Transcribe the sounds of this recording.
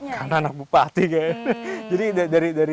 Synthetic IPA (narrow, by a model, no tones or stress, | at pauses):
karnaːnak̚bupat̪iɡajd͡ʒadidadaɾidaɾi